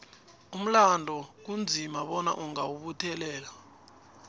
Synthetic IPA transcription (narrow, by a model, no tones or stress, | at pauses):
um̩landʱɔk̬und͡zʱimaɓɔna̰ʔuŋawuɓutʰɛlɛːla